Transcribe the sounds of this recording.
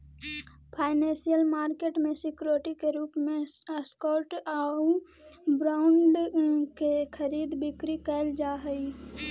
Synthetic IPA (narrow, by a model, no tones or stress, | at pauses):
pʰaːɪnẽːsijəlmaːɾkeːʈmẽsɪkɾoːʈikeɾuːpmẽəskɔːɾʈau | bɾaːʊɳɖkekʰəɾiːd̪bɪkɾikəld͡ʒaːɦəi